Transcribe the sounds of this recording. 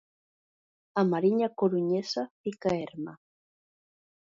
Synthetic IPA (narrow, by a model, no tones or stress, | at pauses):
amaɾiɲakoɾuɲesapikaeɾma